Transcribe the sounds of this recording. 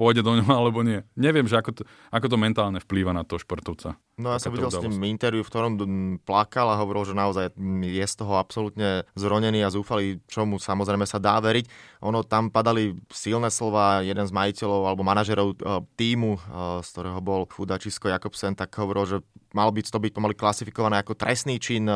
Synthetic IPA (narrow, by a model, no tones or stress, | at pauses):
pɔjɟɛd̪ɔɲɔɦalɛbɔɲɪɛɲɛʋɪɛmʒɛakɔɔ | akɔt̪̬ɔmɛnt̪aːlɲɛfpliːʋanat̪ɔʃpɔrt̪ɔʊt͡sa̰ | nɔjasɔmʋiɟɛlimint̪ɛɾʋjufkt̪ɔɾɔmplakalaɦɔʋɔɾilʒɛnaɔzajjɛst̪ɔɦɔapsɔlut̪ɲɛzɾɔɲɛniːazuːfalit͡ʃɔmusamɔzɾɛɪmɛsad̪aːʋɛɾicʔɔnɔt̪ampad̪alisilnɛslɔʋaːjɛd̪ɛnzmajicɛʎɔʊalɛbɔmanaʒɛɾɔʊt̪iːmuskt̪ɔɾɛːɦɔbɔlxud̪at͡ʃiskɔjakɔpsɛnt̪aɡ̥ɦɔʋɔɾilʒɛmalɔbist̪ɔbic̚pɔmaliklasifikɔʋanɛːakɔt̪ɾɛsniːt͡ʃin